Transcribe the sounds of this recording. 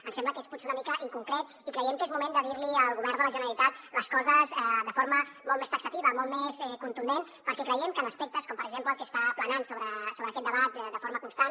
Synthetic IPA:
ənsɛmbləkesput̪seunəmikəʔiŋkuŋkɾet̪̚ | ikɾəjɛmkezmumend̪əðiɾliəlˠɣuβɛɾd̪ələʒənəɾəlit̪at̪ləskɔzəzɛd̪əfoɾməmɔlˠmest̪əksət̪iβəmɔlˠt̪mezɛkunt̪und̪en | pəɾkɛkɾəjɛmkələspek̚t̪əskɔmpəɾəɡzempləːlˠkest̪aplənansoβɾəsoβɾəːkɛt̪d̪əβat̪̚d̪əfoɾməkunst̪an

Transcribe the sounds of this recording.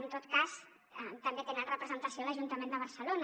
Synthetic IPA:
nt̪ot̪kas | ət̪əmbet̪enat̪rəpɾəzənt̪əsioləʒunt̪əmend̪əβ̞əɾsəlon

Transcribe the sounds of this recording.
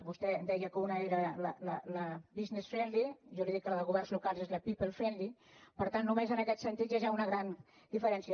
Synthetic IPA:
βust̪ɛd̪ɛjəkəunəeɾələlələbiznesfɛnliʒɔliðikːələðəlˠɣuβ̞ɛrnzlukalˠzezləpipəlˠfɛnlipəɾt̪anːumezənəkɛt̪sənt̪it̪ʒaʒaunəɣɾan | d̪̥ifəɾɛnsiə

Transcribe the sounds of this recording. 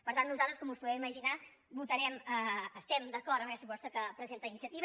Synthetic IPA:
pəɾt̪anːnuzalˠt̪ɾəskɔmuspuðɛwiməʒina | but̪əɾɛməːst̪ɛmd̪əkɔɾt̪əmkɛst̪əβɔst̪ɾəkəpɾəzent̪əinisiət̪iβ

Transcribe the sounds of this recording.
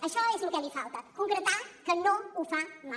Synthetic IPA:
əɕɔesukɛliːfʰaʋt̪at̪kuŋɡɾət̪ãkənːoufama

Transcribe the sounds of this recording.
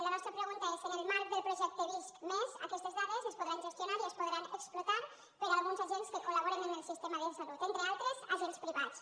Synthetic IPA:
laβɔst̪ɾapɾeɣ̞unt̪aesenelmaɾk̚ðelpɾoʒɛk̚t̪eβiskmeza̰kɛst̪ezðaðezespoð̞ɾanʒest̪jonaɾiespoðɾaneksplot̪aɾ | peɾalɣunzaʒenskekolaβ̞oɾenenelsist̪emaðesalut̪ent̪ɾealˠt̪ɾezaʒenspɾiβat͡s

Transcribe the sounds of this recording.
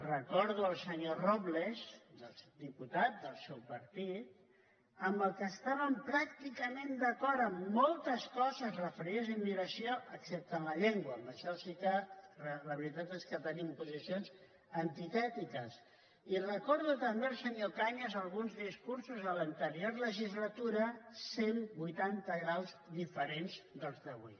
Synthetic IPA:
rəkɔɾðuəlˠsəɲorɔβlezd̪əlˠsd̪iput̪at̪̚d̪əlˠsɛwpəɾt̪it̪̚ | əmbəlˠkəːst̪aβəmpɾak̚t̪ikəmẽnd̪əkɔɾəmːɔlˠt̪əskɔzəzrəfəɾiðzimːiɾəsioʔəksɛp̚t̪ənləʎeŋɡwəːmləʃɛlsikərələβɾit̪at̪eskət̪ənimpuzisionz | ənt̪it̪ɛt̪ikəs | iləkoɾðut̪əmbeɾsəɲokaɲəzəlˠɣunzðiskuɾsuzələnt̪əɾioɾləʒizlət̪uɾəsenbujt̪ant̪əɣɾalˠzd̪ifəɾenzd̪əlˠzðəβwḭ

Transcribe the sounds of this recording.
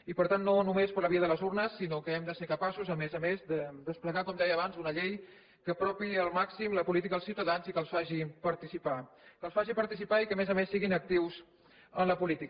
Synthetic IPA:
ipəɾt̪anːonumespəɾləβiəðələzurnəsːinokəɛmd̪əseɾkəpasuzəmezəmezd̪əd̪əspləɣakɔmd̪ɛjəːβanzunəʎej | kəːpɾɔpiəlˠmaksimləpulit̪ikəðəlsiwt̪əðanzikəlˠsfaʒipəɾt̪isipa | kəlˠsfaʒipəɾt̪isipaikəmezəmesːiɣinək̚t̪iwz | ənləpulit̪ik

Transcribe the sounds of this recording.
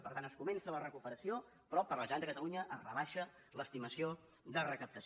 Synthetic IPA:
pəɾt̪anəskumɛnsələrəkupəɾəsio | pɾɔpəɾləʒand̪əkət̪əluɲəʔərəβaʃə | ləst̪iməsio | ðərəkəp̚t̪əs

